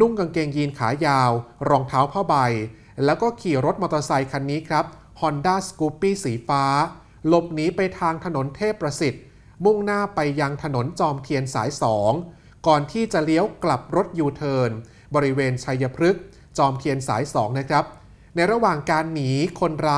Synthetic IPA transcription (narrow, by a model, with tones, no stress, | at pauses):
nu˥˩ŋka˧ŋke˧ŋjiː˧nkʰa̰ː˩˦jaː˧wɾɔː˧ŋt̪ʰaː˦˥wpʰaː˥˩wba˧j | lɛː˦˥wkɔː˥˩kʰiː˨˩ɾo˦˥t̪̚ma˧t̪ɾa˧sa˧jkʰa˧nːiː˦˥kʰɾa˦˥p̚ | hɔ˧ndaː˥˩skuː˦˥pːiː˥˩siː˩˦faː˦˥ | lo˨˩p̚niː˦˥pa˧jt̪ʰaː˧ŋt̪ʰa˧no˩˦nt̪ʰeː˥˩pːɾa˧si˨˩t̪̚ | mu˥˩ŋnaː˥˩pa˧jːa˧ŋt̪ʰa˧no˩˦nt͡ɕɔː˧mt̪ʰi˧ənsa̰ː˩˦jsɔː˩˦ŋ | kɔː˨˩nt̪ʰiː˥˩t͡ɕa˨˩li˦˥əwkla˨˩p̚ɾo˦˥t̪̚juː˧t̪ʰɤː˧n | bɔː˧ɾi˦˥weː˧nt͡ɕʰa˧jːa˧pʰɾɯ˦˥k̚ | t͡ɕɔː˧mt̪ʰi˧ənsa̰ː˩˦jsɔː˩˦ŋna˦˥kʰɾa˦˥p̚ | na˧jɾa˧waː˨˩ŋkaː˧nːiː˩˦kʰo˧nɾaː˧